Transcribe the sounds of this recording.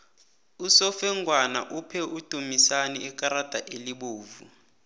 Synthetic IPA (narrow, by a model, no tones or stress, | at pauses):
usɔfɛŋɡʱwana̰ʔupʰɛud̥ʱumisaniɛkʼaɾad̥ʱaʔeliɓoːvu